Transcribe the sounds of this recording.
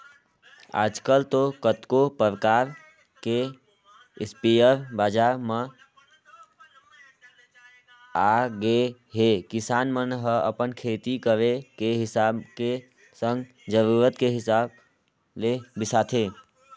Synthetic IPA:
a̰ːd͡ʒkəlt̪okət̪kopəɾkaːɾ | ke | ɪspijəɾbaːd͡ʒaɾme | aɡe | ɦekɪsaːnmənɦəə̰pənkʰet̪ikəɾekeɦɪsabke | sə̃ŋɡ | d͡ʒəɾuːɾət̪keɦɪsaːb̚ | lebɪsaːt̪ʰe

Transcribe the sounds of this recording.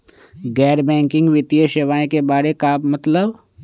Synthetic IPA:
ɡɛːɾbɛ̃ːŋkɪ̃ŋɡʋɪt̪ijəʃeʋaːẽkebaːɽekaːbmɐt̪ləb

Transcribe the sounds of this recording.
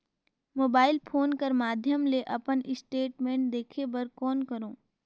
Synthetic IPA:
moːbaːɪlpʰoːnkɐɾmaːd̪ʱjəmleʔɐpənʔɪsʈeːʈmẽːɳʈ̚d̪eːkʰebɐɾkɔːnkɐɾõː

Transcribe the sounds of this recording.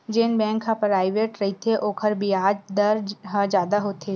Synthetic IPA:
d͡ʒeːnbɛ̃ːŋkɦə̃pɾaːɪʋeːʈɾɐɦit̪ʰeʔoːkʰəɾbʱiaːd͡ʒd̪ɐɾɦãd͡ʒjaːd̪aɦoːt̪eː

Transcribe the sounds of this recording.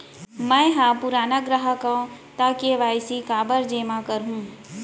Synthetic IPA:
mɛ̃ɦãpʊɾaːnaɡɾəɦakəõt̪akeʋaːɪsikaːbəɾd͡ʒeːmakəɾɦũː

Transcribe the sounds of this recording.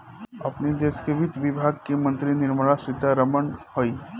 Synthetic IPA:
ɐpned̪eːskeʋit̪ʋibʱaɡ̚kemə̃nt̪ɾinɪɾməɭasɾɪt̪aɾəmənhoi

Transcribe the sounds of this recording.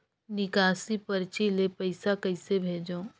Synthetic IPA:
nɪkaːsipɐɾt͡ʃilepɐɪsakɐɪsebʱeːd͡ʒõː

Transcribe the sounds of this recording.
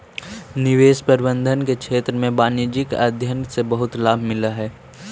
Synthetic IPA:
nɪʋeːspəɾbə̃nd̪ʱənkekʃʰeːt̪ɾəmẽbaːnjod͡ʒɪka̰ːd̪ʱjənsebɐɦʊt̪laːbʱmɪlaɦɛː

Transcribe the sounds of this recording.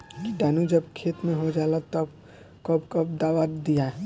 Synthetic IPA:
kiʈaːnud͡ʒəbkʰeːt̪mẽɦod͡ʒalat̪ɔb | kəbkəbd̪aːʋad̪ija

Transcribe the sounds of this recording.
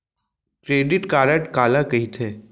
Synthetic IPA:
kɾeːɖɪʈkaːɾəʈkaːlakɐɦit̪ʰeː

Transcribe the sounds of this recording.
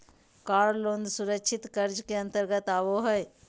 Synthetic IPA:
kaːɾloːnd̪suɾəkʃʰɪt̪kəɾd͡ʒkeɐ̃nt̪əɾɡət̪aːʋoɦəe

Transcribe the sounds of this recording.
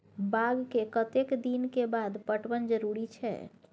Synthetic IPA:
baɡkekət̪ekd̪inkebad̪pəʈbənd͡ʒəɾuɾit͡ʃʰɛ̰

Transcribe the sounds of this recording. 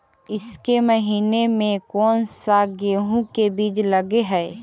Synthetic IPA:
ɪskeməɦiːnemẽkɔːnsaɡeːɦũkebiːd͡ʒləɡeɦɛː

